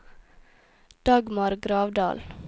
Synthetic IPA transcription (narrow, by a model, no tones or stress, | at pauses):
d̪̥ɑɡmɑɾɡɾɑːʋd̪ɑ̰ːl